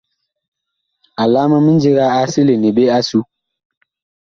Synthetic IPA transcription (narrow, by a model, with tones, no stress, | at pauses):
a˨laː˦ma˦mi˦n̩˦d͡ʒi˦ɣa˦a˦si˦le˨ni˨be˦a˦su˦